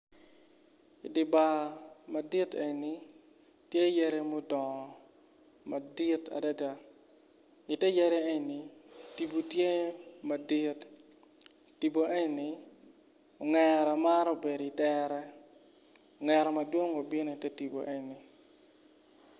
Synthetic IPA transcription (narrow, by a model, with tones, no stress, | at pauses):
i˨dɪ˨ba˨ma˨di˦te˨ɲni˨˦ | tje˦je˦ɾe˦mo˦dɔ˨ | ma˨di˦ta̰˨da˦da˦ | i˨tɛ˦je˦ɾe˦e˦ɲni˨ti˨bu˨tje˦ma˨di˦t | ti˨bo˨ʔe˦ɲni˨˦ | o˨ŋɛɾɔ˨ma˦ɾo˦˨be˨di˨tɛ˦ɾɛ˦ | o˨ŋɛ˨ɾɔ˨ma˨dwo˦ŋo˨bi˦no˨i˨tɛ˦ti˨bo̰˨ʔe˨ɲni˨